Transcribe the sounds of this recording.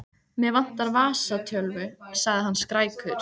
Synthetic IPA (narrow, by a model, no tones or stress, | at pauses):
mɛðvan̥t̪aɾvaːsat̪ʰjœlvʏsaɣðɪɦanːskɾaːjkʰʏɾ̥